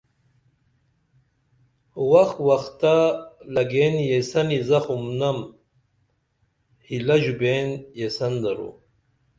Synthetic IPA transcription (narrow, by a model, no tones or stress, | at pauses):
waxwaxt̪alɐɡenjesɐnizɐxumnɐm | hilaʑubeːnjesɐnd̪ɐɾṵ